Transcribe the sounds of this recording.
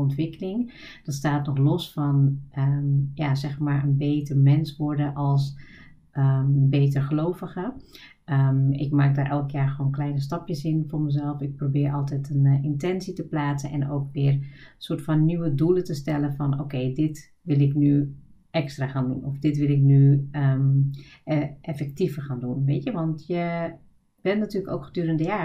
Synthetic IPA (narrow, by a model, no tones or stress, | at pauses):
ɔntʋɪkəlɪŋ | d̥ɑtstaːtnɔxlɔsfɑnəjazɛxmaːɹənbejtəɹmɛnsʋɔɹdəʔɑlˠs | əbeːt̬ərχəlowvəɣə | əɪkmaːk̚daːɾʔɛlˠkjaːɹxəʋoːnklɛjnəstɑpjəsɪnfʊːɹməzɛlˠfɪk̚probɪːɹʔɑlˠtɛtʰənɪntɛnsitəplaːtsənɛ̰no̰wkʋɪːrsoːtfɔnːyʋədulətəstɛləfɔnoːkeːdɪt | ʋɪlˠɪkny | ʔɛkstraxaːndṵnɔfdɪtʋɪlˠɪknyə | ʔɛfɛk̚tifərxaːndunʋeːtjəʋɔntjə | b̥ɛnnatyːləkoːkxədyːɾəndəjaː